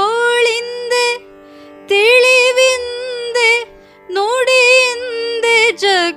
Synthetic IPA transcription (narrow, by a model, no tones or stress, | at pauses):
oɭind̪e | t̪eɭiʋind̪e | noːɽijnd̪ed͡ʒɐ